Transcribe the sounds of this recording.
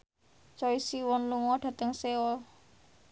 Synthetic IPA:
t͡ʃɔisiwɔnluŋɔɖ̥a̤t̪əŋseɔl

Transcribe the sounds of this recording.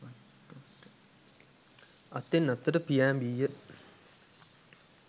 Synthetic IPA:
ɐt̪ːenːɐt̪ːɐɾɐpijaːmbijə

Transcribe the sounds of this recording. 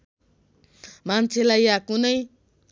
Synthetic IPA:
mant͡sʰelajjakunʌj

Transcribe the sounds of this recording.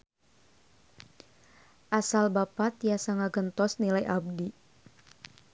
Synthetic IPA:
ʔasalbapat̪jasaŋaɡənt̪ɔsnilajʔab̚di

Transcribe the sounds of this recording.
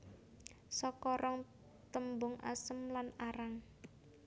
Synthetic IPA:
sɔkɔɾɔŋ | t̪əmbʊŋʔa̰səmlanaɾaŋ

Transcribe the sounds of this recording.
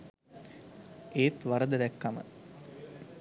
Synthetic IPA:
eːt̪ʋaɾəd̪əd̪ækːamə̰

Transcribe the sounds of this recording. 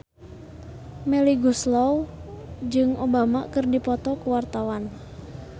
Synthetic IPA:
mɛliɡuslɔw | d͡ʒɨŋobamakɨrdipɔt̪ɔkuwart̪awan

